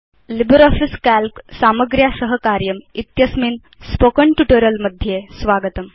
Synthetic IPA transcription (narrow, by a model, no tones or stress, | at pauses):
libəɾɔfiskælpsaməɡɾjasəɦəkaɾjəmit̪jəsmiːn | spokəɳʈuʈəɾjəlməd̪ʱjesʋaɡət̪əm